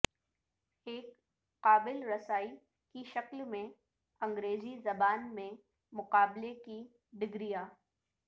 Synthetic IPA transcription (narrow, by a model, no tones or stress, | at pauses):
eːk | qaːbɪlɾɐsaːi | kiʃɐklmẽ | ɐ̃ŋɡɾeːzizɐbaːnmẽ | mʊqaːbleki | ɖɪɡɾijaː